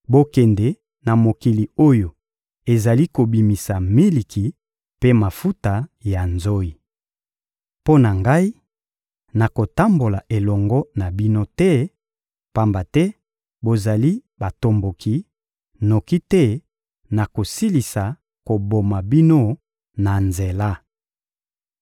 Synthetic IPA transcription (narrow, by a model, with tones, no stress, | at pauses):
bo˦kɛ˨ndɛ˨ | na˨mo˨ki˨li˨o˦jo˨ | e˨za˨li˦ko˨bi˨mi˨sa˨mi˦li˨kʰi˨ | pe˦ma˨fu˦ta˨ja˨nzo˦i˨ | po˦na˨ŋɡa˦i˦ | na˨ko˨ta˦mbo˨la˨ʔe˨lɔ˨ŋɡɔ˦na˨bi˦no˦tɛ˦ | pa˦mba˨tɛ˦ | bo˨za˨li˦ba˨to˨mbo˨ki˦ | no˨ki˦tɛ˦ | na˨ko˨si˦li˨sa˨ | ko˨bo˨ma˨bi˦no˦ | na˨nze˨la˦